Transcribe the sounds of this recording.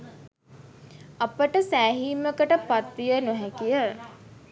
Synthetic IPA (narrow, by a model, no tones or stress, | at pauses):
apəʈəsæːɦiːməkəʈəpat̪ʋijənuɦɛkijə